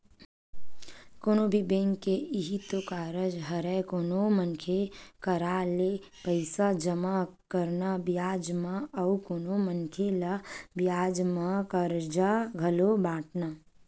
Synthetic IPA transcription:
koːnobʱibẽŋkːeiɦit̪okaːɾəd͡ʒɦəɾɛkoːnomənkʰekəɾaːle | pəɪsad͡ʒəmakəɾnabijaːd͡ʒmaəukoːnomənkʰelabjaːd͡ʒmakəɾd͡ʒaɡʱəlobaːʈna

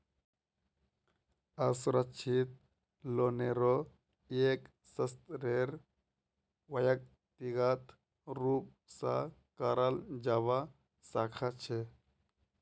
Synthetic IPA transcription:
ɐsɾət͡ʃʰit̪̚ | loːneɾo | eːk | sɐst̪ɾeɾ | wɐjɐk̚ | t̪iɡat̪ʰ | ɾuːp̚ | sa̰kaɾald͡ʒaːʋa | saːkʰat͡ʃʰe

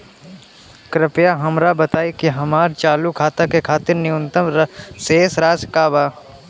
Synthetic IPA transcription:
kɾɪpjaɦɐmɾabət̪aːikiɦɐmaːɾt͡ʃaːlukʰaːt̪akekʰaːt̪ɪɾnɪjʊ̃nt̪əmɾseːsɾaːd͡ʒkaːbaː

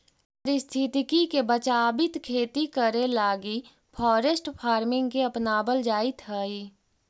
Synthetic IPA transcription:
pəɾɪst̪ʰɪt̪ɪkikebət͡ʃaːbɪt̪kʰeːt̪ikəɾelaːɡi | pʰɔːɾesʈpʰaːɾmɪ̃ŋɡkiɐpnaːbəld͡ʒaːit̪ɦəːiː

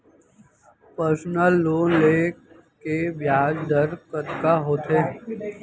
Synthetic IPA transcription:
pəɾsnəlːoːnleː | kebjaːd͡ʒd̪əɾkət̪kaɦoːt̪ʰe

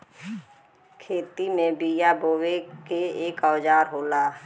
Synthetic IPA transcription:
kʰeːt̪imẽbijaboːwekeeːkawd͡ʒaːɾɦoːlaː

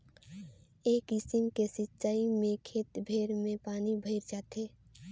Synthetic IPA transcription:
eːkɪsɪmkesɪtːt͡ʃʃaːimẽkʰeːt̪bʱeːɾmẽpaːnibʱəɪɾd͡ʒaːt̪eː

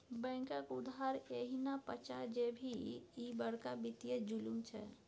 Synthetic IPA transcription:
bɛ̃ŋkəkud̪ɦaɾeɦinapət͡ʃad͡ʒebʱiibəɽkabit̪ijed͡ʒulumt͡ʃʰɛ

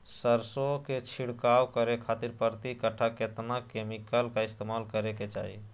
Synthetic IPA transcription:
səɾsoket͡ʃʰiɽkawkəɾekʰat̪iɾpəɾt̪ikəʈʰaket̪nakemikəlkaɪst̪emalkəɾeket͡ʃa̰ɦi

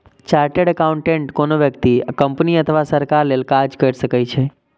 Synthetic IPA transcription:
t͡ʃaɾʈeɽəkaũɳʈẽɳʈkonoʋjəkt̪ikəmpniət̪ʰəʋasəɾkaɾlelkad͡ʒkəɾʃəkajt͡ʃʰe

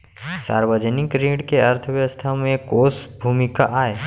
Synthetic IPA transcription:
sa̰ːɾwəd͡ʒənɪkɾĩːɖkeəɾt̪ʰəʋjəəst̪ʰamẽkoːsbʱumɪka̰ʔaːe

